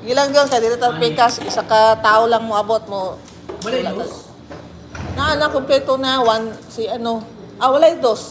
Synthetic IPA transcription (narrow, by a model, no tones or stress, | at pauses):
jɪlaŋd̪onkɐd̪ilat̪apɛkasɪsakat̪aːʔolaŋmoʔɐbot̪̚mo | laɡa | naʔanakomplɛt̪onawansɪʔɐno | ʔawɐlajd̪os